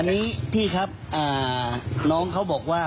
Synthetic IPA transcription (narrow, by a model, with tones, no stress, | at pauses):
nːiː˦˥t̪ʰiː˥˩kʰa˦˥p̚ʔaː˨˩nɔː˦˥ŋkʰa˦˥wbɔː˨˩k̚waː˥˩